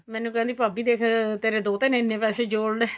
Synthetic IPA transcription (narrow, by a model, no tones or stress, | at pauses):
mɛ̃ːnũːkɛ̃ːnd̪iːpaːbiːd̪eːkʰt̪eːɾeːd̪oːt̪ɪnːɪnːẽːpɛːseːd͡ʒoːɽɖɛː